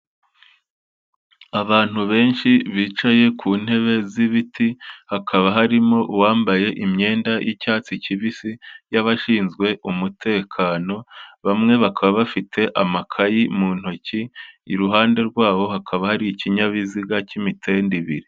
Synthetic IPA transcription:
aβaːn̥huβe̞ːnʃiβiːt͡ʃaje̞kʰuːn̥he̞βe̞ziβitihakʰaβaɦaɾimo̞waːmbaje̞ʔimɲe̞ːndajʔicaːt͡siciβisijaβaʃiːnzɡwe̞ʔumutʰe̞ːkʰano̞βamŋe̞βakʰaβaβafitʰe̞ʔamakʰajimuːn̥ho̞ciːɾuɦaːnde̞ɾɡwaːβo̞ɦakʰaβahaɾiciɲaβiziɡacimitʰe̞ːndiβiɾi

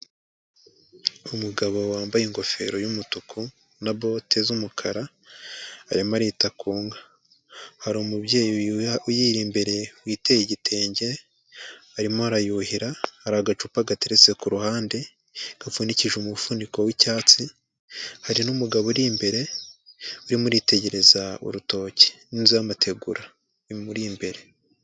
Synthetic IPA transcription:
umuɡaβo̞waːmbajiŋɡo̞fe̞̰ɾo̞jumutukʰu | nabo̞tʰe̞zumukʰaɾa | haɾimaɾitakuːŋɡa | haɾumubjejujiɾimbe̞ɾe̞wiːtejiɟitʰe̞ːɲɟe̞ | haɾimohaɾajuhiɾahaɾaɡat͡ʃupaɡateɾet͡se̞kuɾuhaːnde̞ | ɡ̥afuniciʒumufuniko̞wicaːt͡si | haɾinumuɡaβoɾimbe̞ɾe̞ | uɾimuɾite̞ɟe̞ɾe̞zaṵɾuto̞ːce̥ninzijamatʰe̞ɡṵɾa | muɾimbe̞ɾe̞

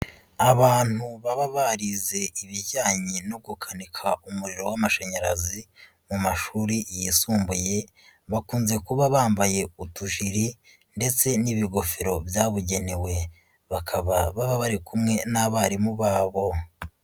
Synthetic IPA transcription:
aβaːn̥huβaβaβaɾize̞ʔiβiɾɟaːɲinoɡukʰanikʰaumuɾiɾo̞wamaʃeɲaɾazi | mumaʃuːɾijisuːmbuje̞ | βakuːnze̞kuβaβaːmbaje̞utuʒiɾi | nde̞t͡se̞niβiɡo̞feɾo̞bjaːβuɟe̞newe̞ | βakʰaβaβaβaβaɾikumŋe̞naβaɾimuβaːβo̞

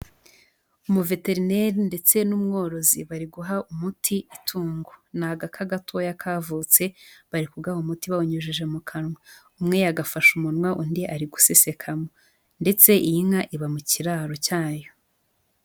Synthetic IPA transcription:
umuve̞te̞ɾine̞ɾinde̞t͡se̞numŋo̞ːɾo̞ziβaɾiɡuɦaumutʰiitʰuːŋɡonaɡakʰaɡatʰojakʰaːvut͡se̞βaɾikuɡahomutiβawoɲuʒiʒe̞mukʰanŋwa | umŋe̞jaɡafaʃumunŋwaʔundiʔaɾiɡusese̞kʰamo | nde̞t͡se̞ʔiiŋaʔiβamuciɾaːɾo̞caːjo

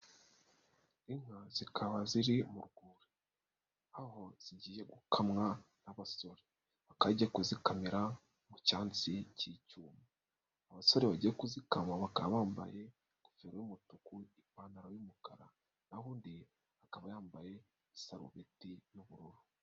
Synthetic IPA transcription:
iŋ̥hazikʰaβaziɾimuɾɡuːɾi | aho̞z̥iɟiːje̞ɡukʰamŋa | naβaso̞ɾe | βakaɟiekuzikamiɾa | mucaːnt͡sicicuːma | aβaso̞ɾeβaɟiekuzikamaβakaβaːmba̰je̞ | kufeɾojumutukuipaːnaɾojumukaɾa | nahuːndi | akaβajaːmbaje̞ | isaɾṵβetijuβuɾuɾu

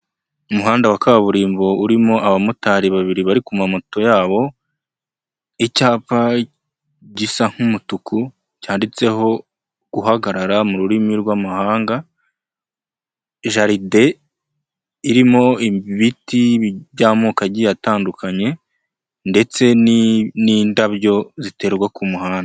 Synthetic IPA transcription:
umuɦaːndawakaβaβuɾiːmbo̞uɾimo̞ʔaβamutaɾiβaβiɾiβaɾikumamoto̞jaːβo̞ | icaːpa | ɟisaŋ̥humutukʰu | caːndit͡se̞ɦo̞ | ɡ̥uɦaɡaɾaɾamuɾuɾimiɾɡwamahaːŋɡa | ʒaɾide̞ | iɾimo̞iiβitiβjaːmoːkaɟijataːndukaɲe̞ | nde̞t͡se̞niniːndaβjo̞zite̞ːɾɡwakumuhaːnda

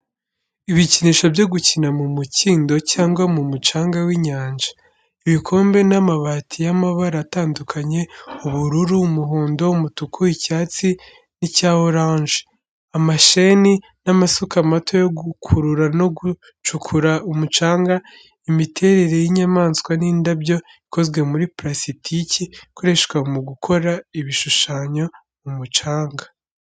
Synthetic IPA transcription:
iβiciniːʃobjo̞ɡucinamumuciːndo̞caːŋɡwamumut͡ʃaːŋɡawiɲaːnd͡ʒḁ | iβikʰo̞ːmbe̞namaβatʰijamaβaɾaːtaːndukʰaɲe̞uβuɾuɾumuɦoːndo̞umutukʰuicaːt͡si | nicaːhoɾaːnʒe̥ | amaʃe̞ni | namasukamatʰo̞jo̞ɡukʰuɾuɾano̞ɡu | t͡ʃukʰuɾaumut͡ʃaːŋɡa | imitʰe̞ːɾe̞ɾe̞jiɲamaːnskwaniːndabjo̞ | ikʰo̞zwe̞muɾipɾasitʰicikoɾe̞ʃkwamuɡukʰo̞ɾaiβiʃuʃaːɲo̞ | umut͡ʃaːŋɡa

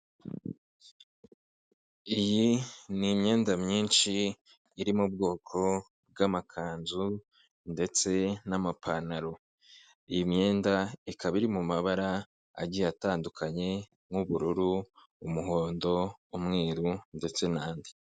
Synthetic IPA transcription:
ijinimɲe̞ːndamɲiːnʃiː | ɾimubɡo̞ːkʰo̞ | b̚ɡamakʰaːnzu | nde̞t͡se̞namapʰanaɾo̞ | ijimɲe̞ːndaikʰaβiɾimumaβaɾa | a̰ɟijataːndukʰaɲe̞ | ŋŋuβuɾuɾu | umuɦoːndo̞umŋe̞ːɾunde̞t͡se̞naːndi

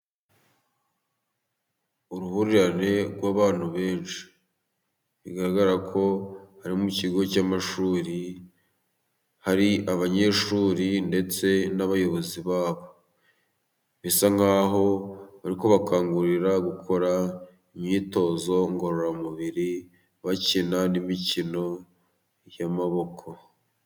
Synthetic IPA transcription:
uɾuhuɾiɾane̞ɡwaːβaːn̥huβe̞ːnʃi̥ | βiɡaɾaɡaɾɾakʰo̞haɾimuciɡo̞camaʃuːɾi | haɾiaβaɲe̞ːʃuːɾinde̞t͡se̞naβajo̞βo̞ziβaːβo̞ | βisaŋɡaːɦo̞βaɾiko̞βakʰaːŋɡuɾiɾaɡukʰo̞ɾa | imɲiːto̞ːzo̞ŋɡo̞ɾoɾamuβiɾi | βacinanimicino̞ | jamaβo̞kʰo̞

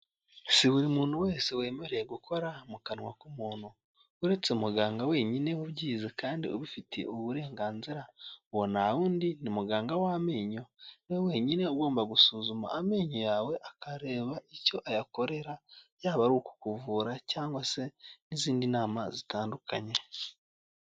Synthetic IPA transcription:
siβuɾimuːn̥huwe̞ːsewe̞ːmeɾeeɡukʰo̞ɾamukanŋwakumuːn̥hu | uɾe̞t͡seumuɡaːŋɡawe̞ːɲine̞uβɟiːzekaːndḭo̰βufitʰe̞̰oβuɾe̞ːŋɡaːnziɾawonaβuːndinimuɡaːŋɡawameːɲo̞newwe̞ɲine̞uɡo̞ːmbaɡusuːzuma̰ːmeːɲojawe̞ʔakaɾe̞ːβaʔico̞ʔajako̞ɾe̞ɾajaːβaɾuku̥kuvuːɾacaːŋɡwase̞niziːndinaːma̰zitaːnduka̰ɲe̞

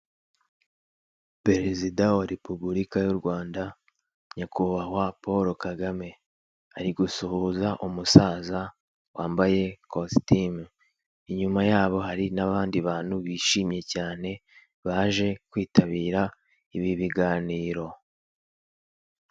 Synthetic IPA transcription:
pe̞ɾe̞zidawaɾe̞pubuɾikajuɾɡwaːnda | ɲakuβaɦwapo̞ɾokaɡame̞ | aɾiɡusuhuːzaʔumusaːza | wʔaːmbaje̞kostim | iɲumajaːβo̞ɦaɾinaβaːndiβaːn̥huβiːʃiːmɲe̞caːne̞ | βaːʒe̞kwiːtaβiːɾa | iβiβiɡaːniːɾo̞

